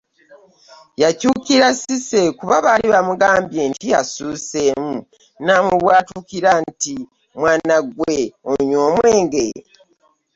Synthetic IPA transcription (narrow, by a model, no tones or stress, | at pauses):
jacuːkiɾasise̞kuβaβaliβamuɡaːmbje̞ːntijasuːse̞ːmu | namwuβwaːtukiɾanti | mwaːnaɡweoɲoːmwe̞ːŋɡe